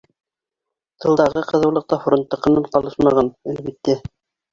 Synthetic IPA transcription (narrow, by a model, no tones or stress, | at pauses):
t̪ʰɤ̆lˠd̪ɑʁɤqɤ̆ðɤ̆wlˠɤ̆q̚t̪ɑf̆ɾŏnt̪ːɤ̆qɤ̆nɤɴqɑlˠɤʃmɑʁɑnælbit̪ːæ